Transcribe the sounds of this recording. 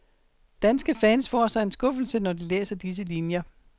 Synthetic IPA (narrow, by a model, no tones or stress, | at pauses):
d̥ænsɡ̥əfɛːnsfɒːsɑ̈e̝nsɡ̥ɔ̽fl̩sənɒdilḛːsɐd̥is̬əlinjɐ